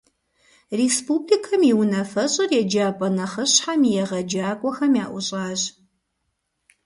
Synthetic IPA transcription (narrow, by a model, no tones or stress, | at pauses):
reːspublikʰɐmjiwnɐfɐɕʼɐrjɛd͡ʒaːpʼɐnɐχɐɕħamijɛʁɐd͡ʒaːkʷʼɔxɐmiaːʔʷʊɕʼaːʑ